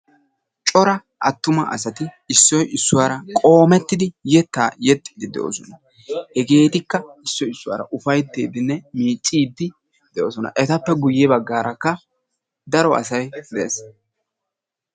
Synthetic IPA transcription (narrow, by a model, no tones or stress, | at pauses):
t͡ʃʼɔɾɐ | ʔɐt̪ːʊmɐʔɐ̰sɐt̪ɪ | ɪsːɔjɪsːʊwaːɾɐkʼo̞ːmɛt̪ːɪd̪ɪjɛt̪ːaːjɛt̪ʼːɪ̥d̪ɪd̪ɛ̰ʔo̰ːsɔnɐ | hɛɡe̞ːt̪ɪkːɐɪsːɔjɪsːʊwa̰ːɾɐ̰ʔʊfɐjt̪ːḛːd̪ɪnːɛmiːt͡sʼːiːd̪ːɪ | d̪̥ɛʔoːsɔnɐ̰ʔɛt̪ɐpːɛɡʊjːɛbɐɡːaːɾɐkːɐ | d̪ɐɾɔɐ̰sɐjd̪ɛs